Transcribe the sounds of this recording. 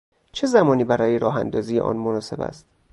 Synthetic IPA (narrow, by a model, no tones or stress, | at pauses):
t͡ʃʰe̞zæmɒːniːbæɾɒːjeɾɒːɦæ̰nd̪ɒːziːjeʔɒ̰ːnmonɒːse̞bæ̰st̪̚